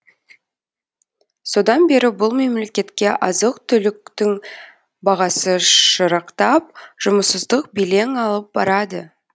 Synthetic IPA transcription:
so̞d̪ɑnbe̞ɾɪbʊlˠme̞mle̞kʲe̞t̪kʲe̞ʔɑzəqt̪ʰʏlɪkt̪ɪŋ | bɑʁɑsəʃəɾəqt̪ɑp̚ʒ̥ʊməsəzd̪əq̚bele̞ŋɑlˠəp̚bɑ̰ɾɑd̪ə

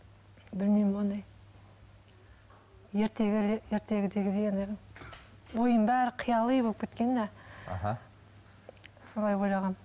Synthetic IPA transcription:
bɪlmimwonəj | je̞ɾt̪e̞ɡʲɪlejeɾt̪e̞ɡʲɪd̪e̞ɡʲɪd̪eɡʲeneʁ | bojəmbæɾɪqʰjɑlˠəbopkʲʰet̪̚kʲe̞nːæ̰ɦa | solˠɑjbojlˠɑʁɑn

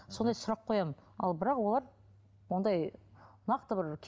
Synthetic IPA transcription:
so̞nd̪ɑjsʊɾɑqʰːo̞jɑmənɑ̰lˠbɪɾɑqwo̞lˠɑɾ | wo̞nd̪ɑjnɑqt̪əbɪɾkʲʰ

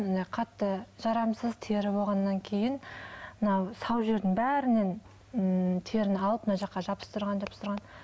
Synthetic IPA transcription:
nqʰɑt̪ːəʒ̥ɑɾɑmsəzt̪ʰeɾɪbo̞lˠʁɑnːɑŋkʲʰe̞jɪnmənɑwsɑwʒe̞ɾd̪ɪŋbæɾɪne̞n | t̪ʰeɾɪnɪɑlˠəpnɑʒɑqːɑʒɑpə̥st̪ʰʊɾʁɑnʒɑpəst̪ɾʁɑn

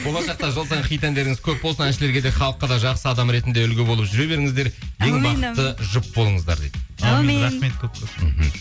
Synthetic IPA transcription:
bolˠɑʃɑq̚t̪ɑʒəlˠs̬ɑʁəχijt̪ænd̪e̞ɾɪŋɪz̥kʲʰɵp̚bolˠsɑnænʃɪle̞ɾɡʲe̞d̪e̞χɑlˠəqːəd̪ɑʒɑqsəɑd̪ɑmɾe̞t̪ɪnd̪eʏlɡʲeboləpʒʏɾe̞βe̞ɾɪŋɪzd̪e̞ɾje̞ŋbɑət̪ːəʒʊp̚bo̞lˠəɴəzd̪ɑ̰ɾd̪ejd̪ɾɑmet̪kʰʲɵp̚kʲem̩ɦm̩

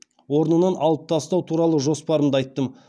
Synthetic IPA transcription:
wo̞ɾnənɑnɑlˠəp̚t̪ʰɑst̪ɑwt̪ʰuɾɑlˠəʒo̞spɑɾəmd̪əɑjt̪ːəm

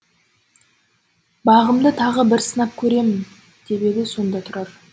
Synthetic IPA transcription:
bɑʁəmd̪ət̪ʰɑʁəbɪɾsənɑp̚kʲʰɵɾe̞mɪn | d̪̥e̞be̞d̪ɪso̞nd̪ɑt̪ʰʊɾɑɾ

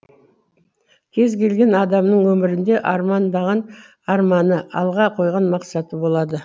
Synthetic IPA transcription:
kʲʰe̞zkʲʰe̞lɡʲe̞nɑd̪ɑmnəɴwɵmɪɾɪnd̪e̞ʔɑɾmɑnd̪ɑʁɑn | ɑɾmɑnəʔɑ̰lˠʁɑqʰo̞jʁɑnmɑqsɑt̪əbo̞lˠɑd̪ə

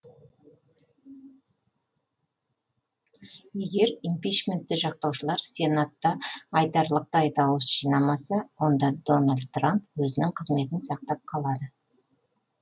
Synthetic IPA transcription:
je̞ɡʲe̞ɾimpijt͡ʃmʲe̞nt̪ːɪʒɑq̚t̪ɑwʃəlˠɑɾse̞nat̪ːɑːjd̪ɑɾlˠəq̚t̪ɑjd̪ɑwəsʒ̥ijnɑmɑsɑwo̞nd̪ɑd̪o̞nalʲd̪̚t̪rampwɵzɪnɪŋqʰəzme̞t̪ɪnsɑq̚t̪ɑp̚qʰɑlˠɑd̪ə

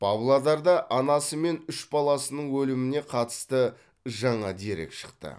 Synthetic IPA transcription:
pʰɑblˠad̪ɑɾd̪ɑʔɑnɑsəme̞nʏʃbɑlˠɑsənəɴwɵlɪmɪne̞qʰɑt̪ə̥st̪ə | ʒɑɴɑd̪eɾḛkʃə̥qt̪ə̰

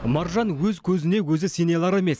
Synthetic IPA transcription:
mɑɾʒɑnwɵzkʲʰɵzɪne̞wɵzɪsenelˠɑɾeme̞s

